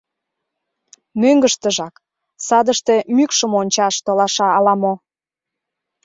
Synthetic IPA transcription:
møŋɡəʃt̪əʒɑk | sɑd̪əʃt̪e̽mykʃəmonʲt͡ɕɑʃt̪olɑʃɑːlɑmo

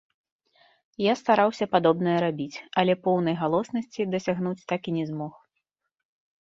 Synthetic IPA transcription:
jast̪aɾawsʲɐpad̪ɔbnɐjɐɾabʲit͡sʲɐlʲɛpɔwnɐjɣalˠɔsnɐsʲt͡sʲid̪ɐsʲaɣnut͡sʲt̪akinʲɛzmɔx

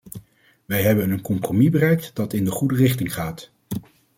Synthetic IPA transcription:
ʋɛjɦɛbənənkɔmpromibərɛjk̚tdɑtɪndəχudərɪχtɪŋχaːt

